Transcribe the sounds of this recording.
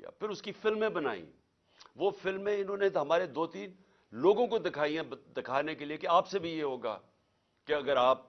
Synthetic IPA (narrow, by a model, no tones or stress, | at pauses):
a̰ːpʰɪɾʊskifɪlmẽbɐna̰ːḭ̃ | ʋoːfɪlmẽɪnõːneɦɐmaːɾed̪oːt̪iːn | loːɡõkod̪ɪkʰaːiɦɛ̃d̪ɪkʰaːnekeliekeaːpsebʱijeɦoːɡa̰ː | keɐɡəɾaːp̚